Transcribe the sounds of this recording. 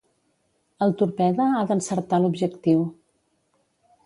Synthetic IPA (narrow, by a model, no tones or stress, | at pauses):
əlˠt̪uɾpɛðəaðənsəɾt̪alubʒəkt̪iw